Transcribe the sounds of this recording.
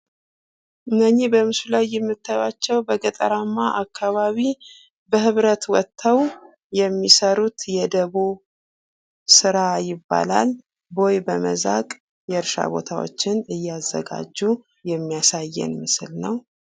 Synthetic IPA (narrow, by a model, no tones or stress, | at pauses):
ʔɨnːəɲːibəmɨsulajːɛmːɨt̪ʰːajwat͡ʃːɛwbəɡət̪ʼəɾamːaʔakʰːaβaβi | bəɦɨβɾət̪wɔt̪ʰːəw | jɛmːisəɾut̪jɛd̪əβu | sɨɾajɪbːa̰lal | bo̞jbəmə̰zakʼ | jɛɨɾʃa̰bo̞t̪ʰawo̞̰t͡ʃːɪnɨjːɛazːə̰ɡa̰d͡ʒːu | jɛmːijasajːɛ̰nmɨsɨlnəw